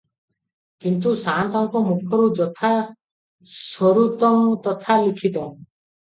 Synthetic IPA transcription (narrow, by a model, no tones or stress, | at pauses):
kint̪̬usant̪ɔŋkɔmukʰɔɾud͡ʒɔt̪ʰa | sɔɾut̪ɔmt̪ɔt̪ʰalikʰit̪ɔ